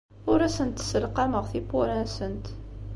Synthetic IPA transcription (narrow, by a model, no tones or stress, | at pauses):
ʊɾæsənt̪səlqɑməʁθipuɾænsənt̪